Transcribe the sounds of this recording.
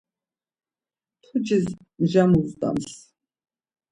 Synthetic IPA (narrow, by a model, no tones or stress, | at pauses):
t̪ʰud͡ʒiz | mʒamuzd̪a̰ms